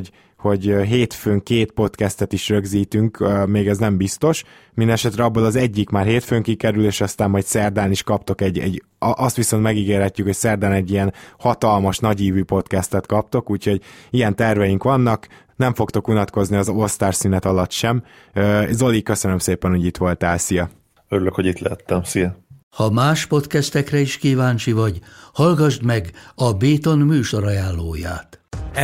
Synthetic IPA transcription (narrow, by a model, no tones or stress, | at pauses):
ho̞ɟɦeːt̪føːŋkeːt̪po̞t̪kɛst̪ɛt̪iʃrø̞ɡziːt̪yŋkømeːɡɛznɛmbist̪o̞ʃ | mind̪ɛnɛʃɛt̪ɾɛɒbːolɒzɛɟːikmaːrɦeːt̪føːŋkikɛɾyleːʃɒst̪aːmːɒjtsɛrd̪aːniʃkɒpt̪o̞kɛɟːɛ̰ɟ | ʔɒst̪ʋiso̞nt̪mɛɡiɡeːrhɛcːykho̞csɛrd̪aːnɛɟːijɛnhɒt̪ɒlmɒʃnɒɟiːvyːpo̞t̪kɛst̪ɛt̪kɒp̚t̪o̞kuːcho̞ɟijɛnt̪ɛrvɛjiŋkʋɒnːɒk | nɛɱfo̞kt̪o̞kunɒt̪ko̞zniɒzost̪aːrsyːnɛt̪ɒlɒt̪ʃɛmøzo̞likø̞sønømseːpɛnho̞ɟit̪ʋo̞lt̪ɛːlsijɒ | øɾyløkhoɟit̪lɛɦɛt̪ːɛmsijɛ | hɒmaːʃpo̞t̪kɛst̪ɛkrɛiʃkiːvaːnt͡ʃivɒɟhɒlɡɒʒd̪mɛɡɒbeːt̪o̞nmyːʃo̞ɾɒjaːlːoːja̰ːt̪